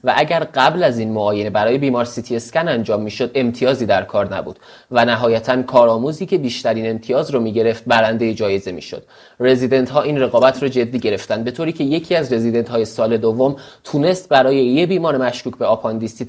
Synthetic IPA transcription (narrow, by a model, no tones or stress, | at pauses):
væʔæɟæɾɢæblæziːnmoɒːjene̞bæɾɒːje̞biːmɒɾsit̪ʰie̞scænænd͡ʒɒːmːiːʃo̞d̪e̞mt̪ʰijɒːziːd̪æɾkʰɒːɾnæ̰bṵːd̪̥ | vænæɦɒːjæt̪ʰænkʰɒːɾɒːmuːziːcʰe̞biːʃt̪æɾiːne̞mt̪ʰijɒːzɾɒːmiːɟe̞ɾe̞ft̪̚bæɾænd̪e̞jed͡ʒɒːje̞ze̞mḭːʃo̰d̪̥ | re̞zid̪e̞nt̪hɒːʔiːnre̞ɣɒːbæt̪ʰrɒːd͡ʒe̞d̪ːiːɟe̞ɾe̞ft̪ænd̪be̞t̪ʰoːɾiːcʰe̞je̞cʰiːæzre̞zid̪e̞nt̪hɒːje̞sɒːle̞d̪ovːomt̪ʰune̞st̪̚bæɾɒːjejebiːmɒːɾemæʃkuːcʰbe̞ɒːpʰɒnd̪ist̪i